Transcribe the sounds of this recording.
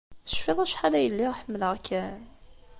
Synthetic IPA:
θə̥ʃfɪðˤæʃħalæjəlːiʁħəmːələʁkʰːæn

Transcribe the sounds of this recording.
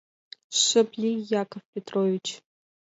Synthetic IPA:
ʃɨblʲijakʰʼovpʰʲetʰʼrovit͡ʃʰ

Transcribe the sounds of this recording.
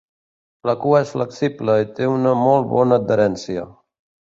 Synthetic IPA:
ləkuəɛsfləksibləit̪eunəmɔlˠt̪βɔnəːd̪̚d̪əɾɛnsiə̰

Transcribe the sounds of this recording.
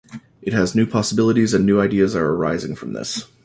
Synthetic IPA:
ʔɨt̚hɨznʉpʰɑsəbɪlˠəɾizɨ̃nːʉaɪdiɨzə˞ə˞a̰ɪzɪ̰̃ŋfɹʌ̃mðɪ̰s

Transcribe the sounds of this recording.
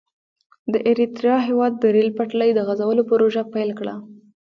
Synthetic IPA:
d̪əʔeɾit̪ɾijɑɦewɑd̪ːəɾelpaʈləjd̪əɣazawəlopəɾoʒapajlkɽa̰

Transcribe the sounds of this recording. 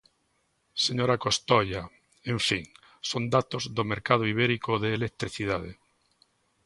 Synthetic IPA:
seɲoɾakost̪oja | ẽɱfiŋ | sond̪at̪ozðomeɾkað̞oiβ̞eɾikoðeːlek̚t̪ɾiθiðaðḛ

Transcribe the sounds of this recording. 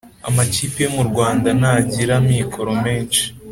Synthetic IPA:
a̰maciːpije̞muɾɡwaːndanaːɟiɾamiːkʰo̞ɾo̞meːnt͡ʃi̥

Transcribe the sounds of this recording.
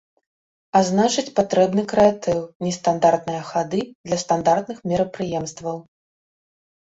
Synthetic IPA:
aznat͡ʂɨt͡sʲpat̪ɾɛbnɨkɾɛat̪ɛwnʲɛst̪and̪art̪nɨjɐxad̪ɨd̪lʲɐst̪and̪art̪̚nɨxmʲɛɾɐpɾɨjɛmst̪vɐw

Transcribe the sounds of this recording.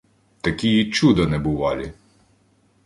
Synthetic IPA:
t̪ɐkʲijit͡ʃud̪ɐnɛbʊʋɑlʲi

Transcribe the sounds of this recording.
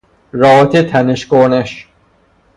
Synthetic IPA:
ɾɒːt̪ʰet̪ʰæneʃkoɾneʃ

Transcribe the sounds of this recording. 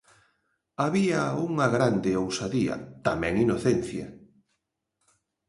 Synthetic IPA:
aβiauŋɐɣɾand̪ɪowsaðiɐ̰t̪amɛ̃ŋinoθɛn̟θjɐ̰

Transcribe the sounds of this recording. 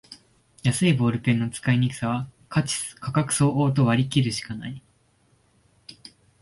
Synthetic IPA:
jasɨibo̞ːɾɯ̟pẽ̞nːo̞t͡sɨ̥kaiɲ̟ikɯ̟̥saβakḁkʰakakɯ̟̥so̞ːʔoːt̪̬o̞βaɾʲikʲiɾɯ̟ɕi̥kanai

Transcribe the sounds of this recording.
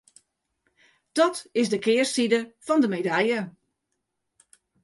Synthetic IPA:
d̥ɔtɪsdəkɪːrsidəfɔndəmedɛjə

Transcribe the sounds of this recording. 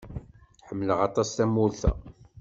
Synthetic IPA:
ħəmːləʁɑt̪ˤɑst̪æmːʊlθæ̰

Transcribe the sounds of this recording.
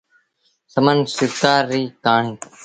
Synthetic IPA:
səmənsɪɾkaːɾːiːkaːɳiː

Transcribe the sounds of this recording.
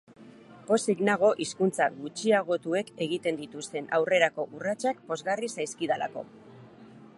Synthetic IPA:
po̞siɣnaɣ̞o̞ʔiskunt͡saɡut͡ʃiaɣ̞o̞t̪ue̞ke̞ɣ̞it̪e̞nd̪it̪ust̪e̞nawre̞ɾako̞ʔurat͡ʃak̚po̞zɣarisajskiðala̰ko̞̰

